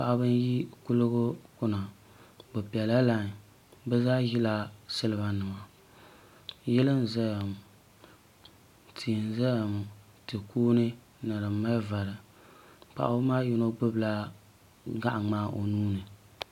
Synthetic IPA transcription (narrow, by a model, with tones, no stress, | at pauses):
pa̰˨ʔa˨bɨ˦n˦ji˦kʊ˦lɨ˦ɡʊ˦kʊ˦na˨ | bʊ˨pi˨ɛ˨la˦la˦˨n˨ | bɛ˦zaː˦ji˦la˦sɨ˦lɨ˨ba˨nɨ˨ma˨ | jɛ˦lɨ˦n˨za˦ja˨m˨ | tʰi˨n̩˨za˦ja˨m˨ | tɨ˨kuː˦nɨ˦ | na˨ɾɨ˨˦mːa˦lva˨ɾɨ˨ | k͡pa̰˨ʔa̰˨bɨ˦maː˦ju˦no˦ɡ͡bɨ˦bla˦ | ɡa˦ʔŋ͡maː˦ʔo̰˨nuː˦nɨ˨